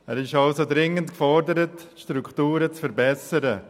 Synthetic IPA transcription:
ɛːɾɪʃɑlsodɾɪŋəntkfɔɾdəɾətʃtɾuktuːɾət͡sfəɾbɛsəɾə

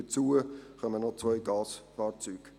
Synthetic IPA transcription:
ət͡suːəχœmənɔt͡sʋœɪɡɑːsfɑːɾt͡syːɡ̥

